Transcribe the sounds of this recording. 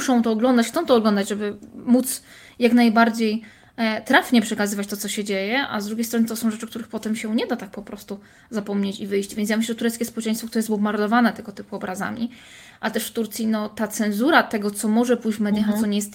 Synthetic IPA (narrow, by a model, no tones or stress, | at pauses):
uʂɔ̃w̃t̪ɔːɡlɔnd̪at͡ɕxt̪ɔ̃w̃t̪ɔːɡlɔnd̪ad͡ʑʐɛbɘmut̪s | jaknajbaɾd͡ʑej | t̪ɾafɲɛpʂɛkazɘvat͡ɕt̪ɔt̪ɔɕɛd͡ʑejɛʔa̰zd̪ɾuɡʲejst̪ɾɔnɘt̪ɔsɔ̃w̃ʐɛt͡ʂɘkt̪uɾɘxpɔt̪ɛmɕɛɲɛd̪at̪ak̚pɔpɾɔst̪u | zapɔmɲet͡ɕivɘjɕt͡ɕvʲent̪jamɘʃ̬ɕlɛɛt̪uɾɛt̪skʲɛspɔwɛt͡ʂɛ̃j̃st̪fɔkt̪uɾɛjɛsbɔbmaɾd̪ɔvanɛt̪ɛɡɔt̪ɘpuɔbɾaza̰mʲḭ | ʔat̪ɛʂft̪uɾt̪sʲjinɔt̪at̪sɛnzuɾat̪ɛɡɔt̪sɔmɔʐɛpujd͡ʑvmɛd̪jaxat̪sɔɲɛjɛst̪